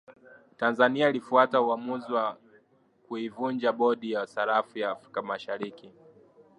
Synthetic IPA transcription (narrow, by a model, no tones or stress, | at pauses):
tanzaniailifuatauamuziwa | kuivund͡ʒaɓɔɗijasaɾafujaːfɾi̥kamaʃaɾiki